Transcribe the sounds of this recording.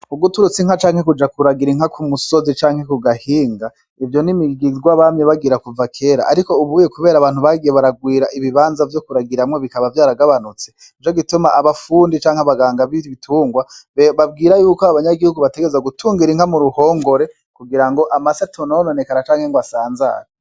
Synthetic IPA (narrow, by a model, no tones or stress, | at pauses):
uɡutuɾut͡siŋ̥hat͡ʃaːŋhekud͡ʒakuɾaɡiɾiŋ̥hakʰumuso̞zit͡ʃaːŋhe̞kuɡahiːŋɡa | ivjo̞nimiɡiziɡwaβamɲeβaɡiɾakuvakʰe̞ːɾa̰ːɾiko̞uβuːjekuβe̞ːɾaːβaːn̥huβaɡijeβaɾaɡwiːɾaʔiβiβaːnzavjo̞kuɾaɡiɾamŋo̞βikaβavjaːɾaɡaβanut͡se | it͡ʃo̞ɡitumaʔaβafuːndit͡ʃaːŋhaβaɡaːŋɡaβiitʰuːŋɡwaβab̚ɡiːɾajuːkoaaβaɲaɡihuɡuβate̞ɡeezaɡutʰuːŋɡiɾiŋ̥amuɾuho̞ːŋɡo̞ɾe̞ | kuɡiɾaŋɡo̞ʔamasatonawononekanat͡ʃaːŋheŋɡwasaːnza̰ːɾa